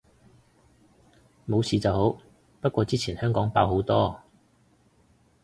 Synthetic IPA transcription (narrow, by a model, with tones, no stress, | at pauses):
mo˨˧wsiː˨˧t͡sɐ˨who˨˥w | pɐ˥t̚kwɔː˧t͡siː˥t͡sʰiː˨˩nhœː˥ŋkɔː˨˥ŋpa̰ː˧wɦo˨˥wt̪ɔː˥